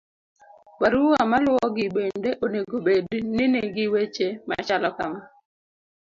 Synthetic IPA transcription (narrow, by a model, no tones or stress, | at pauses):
paɾuamalʊwɔɡɪbendeʔoneɡobednɪneɡɪwet͡ʃema̰t͡ʃalɔkama